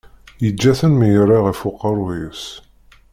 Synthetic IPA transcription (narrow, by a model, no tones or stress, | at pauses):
jəd͡ʒːæθənmijəɾːɑʁəfuqːəɾˤwis